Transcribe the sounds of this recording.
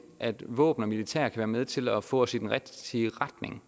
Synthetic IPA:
ʔæd̥ʋɔ̰ːb̥n̩ɒ̽milit͡sʰɛ̰ɐ̰kʰæʋæːɐmeð̞ˠt͡sʰe̝lɒfɔ̰̽ːsi̥nʁɛ̥iəʁɑd̥ne̝ŋ

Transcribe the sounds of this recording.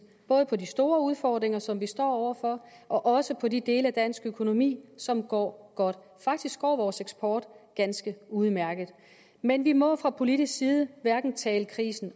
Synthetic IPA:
b̥ɔ̽ːð̞̩ˠəpʰɒ̽disd̥o̝ːɐuð̞ˠfɒːd̥ʁeŋɐsɒ̽mʋisd̥ɒ̰ːɒʊ̰ɐfɒ̽ʔɒ̽ʔɒ̽səpʰɒ̽did̥e̝ːləæd̥æn̰sɡ̥økʰo̝no̝mḭːsɒ̽mɡ̥ɒ̰ːɡ̥ɒ̽d̥ | fɑ̈ɡ̥̚d̥isɡ̥ɒ̰ːʋɒːseɡ̥sb̥ʰɒːd̥ɡ̥ænsɡ̥əuð̞ˠmæɐɡ̥ð̩ˠ | menʋimɒ̽fʁɑ̈pʰo̝liɾisɡ̥siːð̞ˠəʋæɐɡ̥n̩t͡sʰɛːləkʰʁḭːsn̩

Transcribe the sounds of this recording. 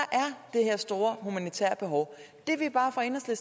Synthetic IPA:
ɑʔæɐd̥e̝heɐsd̥o̝ːɐhumænit͡sʰæ̰ɐb̥e̝ɦɒʊ | d̥e̝ʋeb̥ɑ̈ːfʁɑ̈e̝nɒsles

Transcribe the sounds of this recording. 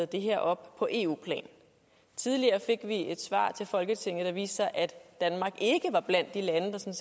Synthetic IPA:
ð̩ˠd̥e̝ɦeɐ̰ʔɒ̽b̥pʰɒ̽ʔe̝̰ːṵːpʰlɛ̰ːn | t͡sʰiðˠliɐːfe̝ɡ̥ʋie̝d̥sʋɑ̰̈ːt͡sʰe̝lfɒ̽lɡ̥ət͡sʰe̝ŋ̰ð̩ˠd̥ɑ̈ʋḭːsɑʔæd̥d̥ænmɑ̈ːɡ̥e̝ɡ̥əʋɑ̈b̥læn̰d̥ilænəd̥ɑ̈sɒ̽ns

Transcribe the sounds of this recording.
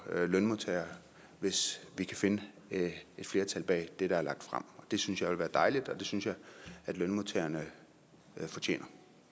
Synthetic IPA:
lœnmot͡sʰḛɐ | ʋe̝sʋikʰæfe̝nə | e̝d̥fle̝ːɐt͡sʰælb̥ɛ̰ːd̥eɾ̥ææɐlɑ̈ɡ̥̚d̥fʁɑ̈m̰ɒ̽d̥e̝synsjɑ̈ɪʋelʋæːɐd̥ɑ̈ɪlid̥ɒ̽d̥e̝synsjɑ̈ɪæd̥lønmot͡sʰḛːɐnə | fɒ̽t͡ɕʰḛːnɐ

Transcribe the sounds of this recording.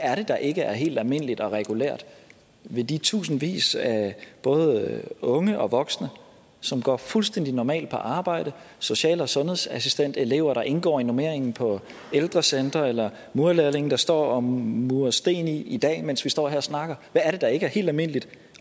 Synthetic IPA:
æɐɾ̥e̝d̥ɑ̈ʔe̝ɡ̥əæɐɦe̝̰ːld̥ælme̝n̰əlid̥ɒ̽ʁɛɡ̥ulæ̰ɐ̰d̥ | ʋe̝d̥it͡sʰṵːsn̩ʋḭːsæb̥ɔ̽ːð̞ˠɔ̽ŋəʔɒ̽ʋɒ̽ɡ̥snə | sɒ̽mɡ̥ɒ̰ːfulsd̥en̰d̥inɒmɛ̰ːld̥̚pʰɒ̽ʔɑ̈ːb̥ɑ̈ɪ̰ɾ̥əso̝ɕɛ̰ːləɒsɔ̽nɦhe̝ð̰ˠsæsisd̥en̰d̥e̝le̝ʊɐɾ̥ɑ̈ʔe̝nɡ̥ɒ̰ːinome̝ɐ̰eŋn̩pʰɒ̽ | eld̥ʁɐsend̥ʁɐelɐ | muɐlelˠe̝ŋn̩d̥ɑ̈sd̥ɒ̰ːɒ̽mmuɐsd̥e̝̰ːniid̥ɛ̰ːmensʋisd̥ɒ̰ːɦæɐ̰ɒsnɑ̈ɡ̥ɐʋæːɐɾ̥e̝d̥ɑ̈e̝ɡ̥əæɐhe̝̰ːld̥ælme̝n̰əlid̥

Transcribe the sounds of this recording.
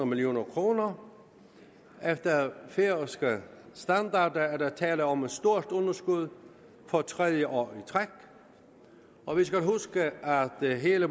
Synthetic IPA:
ʁɐmilio̝̰ːnɐkʰʁo̝ːnɐ | efd̥ɐfeɐsɡ̥əsd̥ænd̥ɑ̈ːd̥ɐæɐd̥ɑt͡sʰɛ̰ːləɒ̽med̥sd̥o̝ɐ̰d̥ɔ̽nɐsɡ̥uð̞ˠ | fɒ̽t͡sʰʁɛðˠjəʔɒ̰ːit͡sʰʁaɡ̥ | ɒ̽ʋisɡ̥ælɦusɡ̥əʔæd̥ɦe̝ːlə

